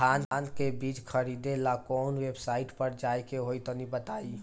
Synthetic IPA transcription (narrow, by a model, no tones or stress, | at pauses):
aːnand̪kebiːt͡ʃkʰəɾid̪elakɔːnweːbsaːiʈpəɾd͡ʒajkeɦoit̪ɔnibət̪ai